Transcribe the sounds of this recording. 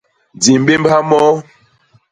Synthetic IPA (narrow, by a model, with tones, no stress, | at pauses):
d͡zi˨m˦be˦m˦bha˦mɔ˦